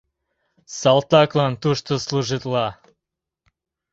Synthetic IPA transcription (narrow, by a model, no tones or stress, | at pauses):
sɑlt̪ɑklɑnt̪uʃt̪osluʒit̪lɑ